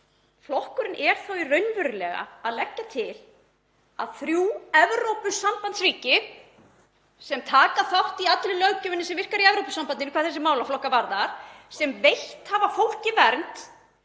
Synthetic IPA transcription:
flɔhkʏɾɪnʔɛɾ̥θawirœɥnvʏɾʏlɛɣa̰aðlɛcːat̪ʰɪl | aðθɾjuːɛvɾowpʏsːampant̪sriːcɪ | sɛmt̪ʰaːkaθawht̪iat̪lɪlœɣcʏmɪnːɪsɛmvɪr̥kaɾiɛvɾowpʏsampanɪnɪkʰaːɾθɛs̬ɪmaːwlaflɔhkːavaɾðaɾ̥sɛmvejht̪havafowl̥cɪvɛɾnt̪

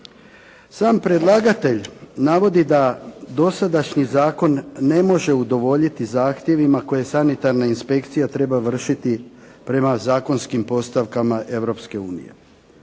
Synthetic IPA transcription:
saːmpɾe̞d̪lˠaːɡat̪e̞ʎnaʋo̞d̪id̪ad̪o̞sad̪aʃɲizaːko̞nːe̞mo̞ʒe̞ud̪o̞ʋo̞ʎit̪izaːxt̪je̞ʋimako̞je̞sanit̪aɾnainspe̞kt̪sijat̪ɾe̞baʋr̩ʃit̪i | pɾe̞mazaːko̞nskimpo̞st̪aʋkamaʔe̞ʋɾo̞pske̞uːnḭje̞̰

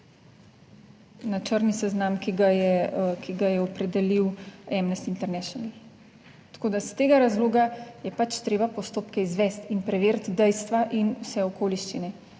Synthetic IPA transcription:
nat͡ʃəɾnisɛznamkiɡajɛkʰiɡajɛɔpɾɛd̪ɛliwɛmnɛst̪int̪ɛɾnɛʃɔnal | t̪ḁkoːd̪ast̪eːɡaɾazloːɡajɛpat͡ʃt̪ɾeːbapɔst̪oːpkɛizʋɛst̪inpɾɛʋeːɾt̪d̪ɛjst̪ʋaʔinusɛɔkoːliʃt͡ʃinɛ

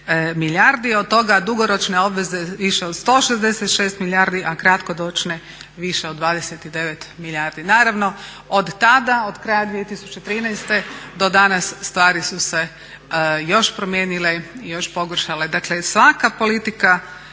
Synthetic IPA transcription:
miljaɾd̪iod̪̚t̪o̞ɡad̪uɡoɾo̞t͡ʃne̞o̞bʋe̞ze̞ʋiʃeod̪st̪o̞ːʃezd̪eset̪ʃeːst̪miljaɾd̪iʔakɾat̪ko̞d̪o̞t͡ʃne | ʋiʃeod̪d̪ʋaːd̪eset̪id̪e̞ʋe̞t̪milʲjaɾd̪inaːɾaʋno̞ | od̪t̪ad̪aod̪kɾajad̪ʋijet̪isut͡ʃet̪ɾinajst̪e̞d̪o̞d̪anasːt̪ʋaːɾisuse | jo̞ʃpɾomjeːnile̞ijo̞ʃpo̞ɡr̩ʃale̞d̪aklesʋakapo̞lit̪ika

